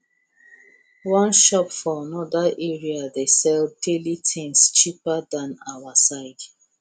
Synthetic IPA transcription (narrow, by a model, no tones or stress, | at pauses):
wɔ̃nʃɔpfɔanɔdaʔɛɹiadesɛld̚delitʰẽnst͡ʃipadãnawasaɪd̥